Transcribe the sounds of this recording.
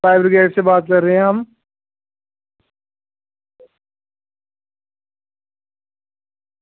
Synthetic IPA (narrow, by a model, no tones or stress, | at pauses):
faːɪbɾɪɡeːʈsebaːt̪̚kɐɾːɐɦɛ̃ɦɐm